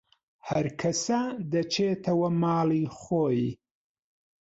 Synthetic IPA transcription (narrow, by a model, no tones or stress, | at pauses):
hɐɾkʰɐsɐd̪ɐt͡ʃʰeːt̪ʰɐwɐmaːliːχoːj